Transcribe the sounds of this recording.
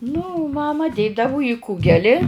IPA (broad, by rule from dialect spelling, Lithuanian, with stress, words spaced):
nʊ ˈmɑːmɐ ˈdʲeːdɐʋoː iː ˈkuːɡʲɛlʲɪ